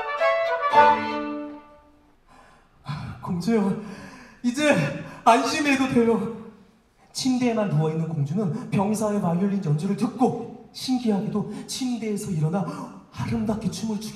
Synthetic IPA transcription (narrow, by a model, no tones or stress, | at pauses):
koŋd͡ʑojo | id͡ʑe̞anɕʰime̞dotweɾjo | t͡ɕʰimde̞manmuʌinːɯnkoŋd͡ʑunɯnpjʌŋisʰaemanjʌʎːinjʌnd͡ʑoɾɯɭtɯk̚k͈oɕʰimɡiɦaɡidot͡ɕʰimde̞ːsʰʌiɾʌna | haɾɯmdak͈it͡ɕʰumɯɭt͡ɕʰu̥